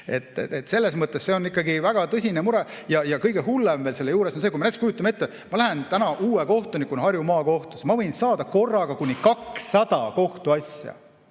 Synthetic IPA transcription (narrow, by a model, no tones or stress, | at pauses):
e̞̰t̪ːˑet̪ːse̞lːe̞smɤt̪ˑːesse̞o̞nikːˑɑɡivæɡ̥ɑt̪ɤsʲinemuɾɛjɑjɑkɤjɡehulːemveːlse̞lːejuːɾesonsekuimɑnet̪skujut̪ːˑɑmet̪ːe | mɑlæɦe̞nt̪ænɑʔuːeko̞ht̪onikːˑuonhɑrjumɑːko̞ht̪u̥smɑvɤjnsɑːd̪ɑko̞rːɑɡ̥ɑkunʲːikɑksːɑd̪̥ɑko̞ht̪uɑsʲjɑ̰